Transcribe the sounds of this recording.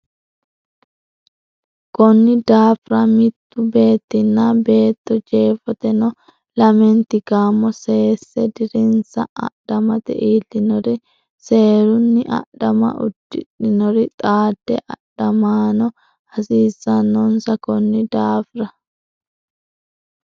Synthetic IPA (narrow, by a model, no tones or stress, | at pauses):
kɔnːɪd̪aːfɾɐmɪt̪ːʊbe̞ːt̪ːɪnːabe̞ːt̪ːɔd͡ʒe̞ːfɔt̪ɛnɔ | lɐmɛnt̪ɪɡaːmːɔse̞ːsːɛd̪ɪɾɪnsɐ̰ʔɐ̰ɗɐmɐt̪ɛ̰ʔiːlːɪnɔɾɪ | se̞ːɾʊnːɪʔɐ̰ɗɐmɐ̰ʔʊ̰d̪ːɪᶑɪnɔɾɪt̪ʼaːd̪̥ːɛ̰ʔɐɗɐmaːnɔ | hɐsiːzɐnːɔnsɐkɔnːɪd̪aːfɾɐ